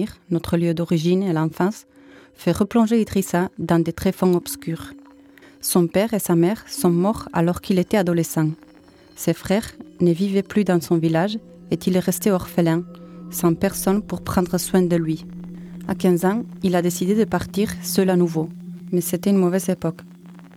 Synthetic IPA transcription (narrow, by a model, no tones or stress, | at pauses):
ʁnɔt̪χəljød̪ɔʁiʒinelɑ̃fɑ̃s | fɛʁəplɔ̃ʒeid̪ʁisad̪ɑ̃d̪et̪χefɔ̃ɔbskyʁ | sɔ̃pɛʁesamɛʁsɔ̃mɔʁa̰lɔʁkilet̪ɛad̪olesɑ̃ | sefχɛʁnəvivɛplyd̪ɑ̃sɔ̃vilaʒ | et̪ilɛʁɛst̪eɔʁfəlɛ̃sɑ̃pɛʁsɔnpuʁpχɑ̃d̪ʁəswɛ̃d̪əlɥi | a̰kɛ̃zɑ̃ilad̪esid̪ed̪əpaʁt̪iʁsəlanuvomeset̪ɛynmɔvɛzepɔk